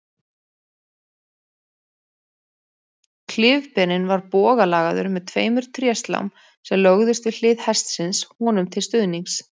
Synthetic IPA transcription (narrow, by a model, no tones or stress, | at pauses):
kʰlɪːvpɛnɪnvaɾpɔːɣalaːɣaðʏ̰ɾmɛðt̪ʰveːjmʏɾ̥t̪ʰɾjɛst̪la̰wm | sɛmlœɣðʏst̪vɪ̥l̥ɪːðhɛst̪sɪnshɔːnʏmt̪ʰɪlst̪ʏðniŋs